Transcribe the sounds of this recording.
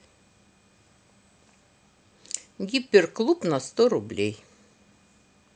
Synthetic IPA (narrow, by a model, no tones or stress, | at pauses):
ɡʲɪpʲɪɾklˠʊpnɐst̪oːɾʊbʲlʲɛɪ